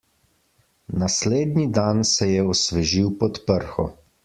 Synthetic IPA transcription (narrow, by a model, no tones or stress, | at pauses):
nasleːd̪nid̪ansɛjɛɔsʋɛʒiwpɔt̪pəɾxɔ